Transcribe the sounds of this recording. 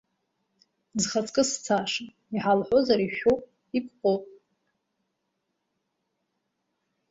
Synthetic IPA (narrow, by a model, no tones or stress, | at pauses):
zχat͡sʼkʼɨst͡sʰaʂa | iħalħʷozaɾiʃowpʼ | ikʷʼqʷʼopʼ